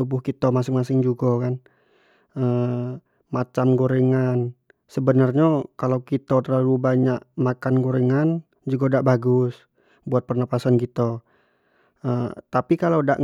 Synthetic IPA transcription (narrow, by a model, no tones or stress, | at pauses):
ubʊhkit̪əmas̬ɪŋmas̬ɪŋd͡ʒuɡakan | ə | mat͡ʃamɡoɾeŋan | səbənarɲakalowkit̪ɔt̪ərlalubaɲaʔmakanɡoɾeŋan | d͡ʒuɡadaʔbaɡʊs | buat̪̚pərnapasankit̪o | ət̪apikalada̰ʔ